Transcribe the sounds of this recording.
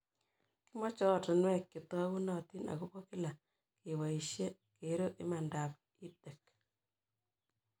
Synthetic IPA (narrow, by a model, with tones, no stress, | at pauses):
ki˦mɔ˦t͡ʃɔ˦tɔ˨nwɛ˦kːi˨tɔ˦wu˦nɔ˨ti˦na̰˨ko˦po˦ki˦la˨ | ke˨wa˨iʃje˦ | ke˨ɾo˦ʔi˦ma˨nda˨p | i˦te˨k̚